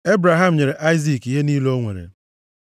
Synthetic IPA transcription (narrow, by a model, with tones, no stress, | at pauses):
e˦bɾa˨ɦa˦m̩˨ɲe˨ɾe˨ʔa˦ɪ˦zi˨ki˨ɦe˦niː˦lo˦ŋʷḛ˨ɾḛ˨